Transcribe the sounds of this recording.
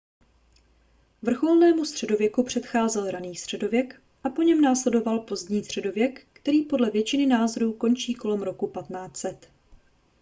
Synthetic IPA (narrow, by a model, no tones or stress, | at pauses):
vr̩xo̞lnɛːmust̪r̥ɛdo̞vjɛkupr̝̥ɛt̪xaːzɛlɾaniːst̪r̝̥ɛdo̞vjɛk | ʔapo̞ɲɛmnaːslɛdo̞valpo̞zd̪ɲiːst̪r̝̥ɛdo̞vjɛkːt̪ɛɾiːpo̞dlɛvjɛt͡ʃɪnɪnaːzoɾuːko̞nt͡ʃiːko̞lɛmɾo̞kupat̪naːt͡sɛt̪